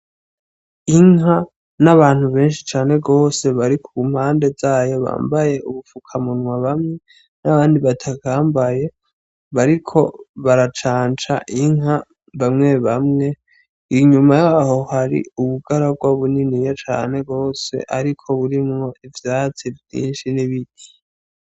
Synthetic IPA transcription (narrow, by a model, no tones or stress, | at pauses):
iŋɦa | naβaːn̥huβe̞ːnʃi̥t͡ʃaːne̞ɡo̞ːse̞βaɾikʰuɡum̥haːnde̞zaːjo̞βa̰ːmbaje̞ʔuβufukʰamunwaβamŋe̞ | naβaːndiβatʰakaːmbaje̞ | βaɾikʰo̞βaɾat͡ʃaːnt͡ʃa̰ʔiŋ̥ɦa | βamŋe̞βamŋe̞ | iɲumajaho̞haɾḭuβuɡaɾaɡwaβuninijot͡ʃa̰ːne̞ɡo̞ːse̞̰ʔaɾikʰo̞βuɾimŋo̞ivjaːt͡sivjḭːnʃiniβiɡi̥